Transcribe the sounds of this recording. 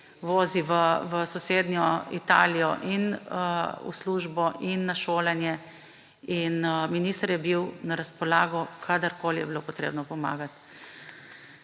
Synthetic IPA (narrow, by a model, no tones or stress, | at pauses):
ʋoːziʋəʋəsɔseːd̪nʲjɔit̪a̰ːlijɔ̰ʔin | ṵsluːʒbɔinːaʃoːlɛnjɛ | inminiːst̪əɾjɛbiwnaɾaspɔlaːɡɔkʰad̪əɾkoːlijɛbilopɔt̪ɾḛːbnɔpɔma̰ːɡat̪